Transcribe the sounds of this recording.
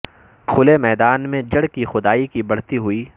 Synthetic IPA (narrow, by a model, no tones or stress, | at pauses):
xʰʊlemɛːd̪aːnmẽd͡ʒɐɽkixʊd̪aːikibɐɽ̤t̪iɦʊiː